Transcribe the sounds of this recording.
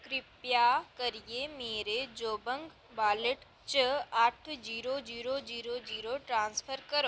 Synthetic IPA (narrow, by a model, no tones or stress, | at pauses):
kɾɪpjakɐɾiemeːɾed͡ʒoːbə̃ŋɡ | baːləʈ | t͡ʃəaʈʰd͡ʒiːɾod͡ʒiːɾod͡ʒiːɾod͡ʒiːɾoʈɾãːnspʰəɾkɐɾo